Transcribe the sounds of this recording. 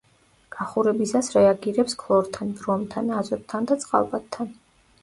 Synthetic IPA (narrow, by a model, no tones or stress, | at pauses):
ɡ̥aχuɾɛbisasɾɛaɡiɾɛpskʰlˠɔɾt̪ʰanb̪ɾɔmt̪ʰanazɔt̪̚t̪ʰːand̪at̪sʼqʼa̰lˠbat̪̚ʰːan